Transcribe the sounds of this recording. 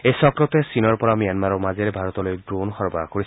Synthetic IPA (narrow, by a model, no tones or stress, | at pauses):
ejsɔkɹɔtɛsinɔɹpɔɹamijanmaɹɔmazeɹɛbʱaɹɔt̪ɔlojdɹonxɔɹba̰koɹis